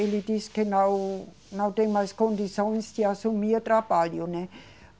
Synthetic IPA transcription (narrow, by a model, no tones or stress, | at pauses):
elit̪iskenaw | nawt̪eŋmaiskond̪isonst̪jasumiət̪rapaljone